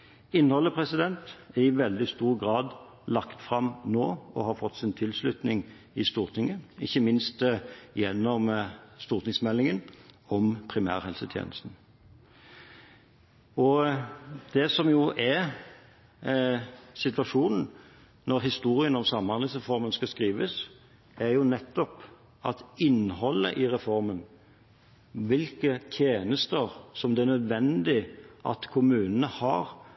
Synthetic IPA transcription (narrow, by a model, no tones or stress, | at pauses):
ɪnhɔlːəpʰʁɛsɪd̪ɛnt̪ɛɪʋɛld̪ɪst̪uːʁɡʁɑːd̪ | lɑkt̪fʁɑmnoːɔ̰hɑːɾfɔt̪ːsɪnt̪ʰɪlslʉt̪nɪŋ | ɪst̪uːʁt̪ʰɪŋəɪçːəmɪnst̪jɛnːɔmst̪uːʁt̪ɪŋsmɛlːɪŋənɔmpʰʁɪmæ̰ːʁhɛlsət̪ʰjḛːnəst̪n̩ | ɔ | d̪̥ɛsɔmjʊʔɛ | sɪt̪ʋɑʂuːnn̩ | nɔɾɦɪst̪uːʁɪənɔmsɑmːɑnlɪsʁɛfɔʁmənskɑskʁiːʋəs | æɾjʊnɛt̪ːɔp | ɑt̪ɪnːhɔlːə̰ʔɪʁɛfɔɾmən | ʋɪlkət̪ʰjeːnəst̪əʁsɔmd̪ɛæɾnœd̪ʋɛnd̪ɪʔɑ̰t̪kʰʊmʉːnənəhɑʁ